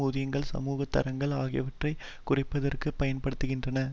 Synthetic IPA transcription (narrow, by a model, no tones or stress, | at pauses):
uːðɪjɐŋɡɐɭsɐ̰muːɣɐt̪ːɐ̰ɾɐŋɡɐɭaːɣɪjɐʋɐʈrɐɪ | kʊrɪpːɐðɐrkɯpɐjɐnpɐɽɯt̪ːɯɣɪndrɐnɐ